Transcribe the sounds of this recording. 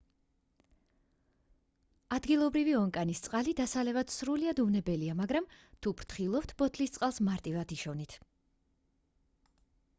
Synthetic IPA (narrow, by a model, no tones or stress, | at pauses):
ad̪ɡilˠɔbɾiviɔŋkʼanist̪sʼqʼalid̪asalɛvad̪̥sɾuliad̪umnɛbɛliamaɡɾamt̪ʰubɾt̪ʰχilˠɔpt̪ʰbɔt̪ʰlist̪sʼqʼalˠsmaɾt̪ʼivad̪iʃɔnit̪ʰ